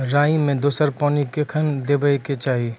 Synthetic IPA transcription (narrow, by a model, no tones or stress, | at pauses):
ɾaːimẽd̪oːsəɾpɔːnikekʰənd̪ebəiket͡ʃaːɦi